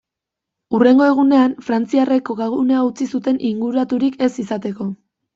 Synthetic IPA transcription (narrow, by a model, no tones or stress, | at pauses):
ure̞ŋɡo̞e̞ɣ̞une̞anfɾant͡siare̞ko̞ɣaɣune̞aut͡sisut̪e̞nʔiŋɡuɾat̪uɾike̞sisat̪e̞ko̞